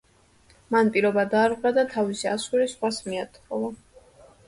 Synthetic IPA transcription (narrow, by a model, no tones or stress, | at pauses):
manpʼiɾɔbad̪aːɾʁwad̪at̪ʰavisia̰suɾisχwasmiat̪ʰχɔa